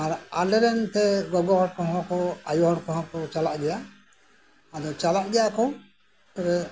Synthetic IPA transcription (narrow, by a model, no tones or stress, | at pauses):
aɾalɛɾɛnt̪ɛɡɔɡɔɦɔɽkɔ̃ɦɔ̃kɔajɔɦɔɾkɔ̃ɦɔ̃kɔt͡ʃalaʔd͡ʒɛja | ad̪ɔt͡ʃalaʔd͡ʒɛjakɔ | t̪ɛɾɛ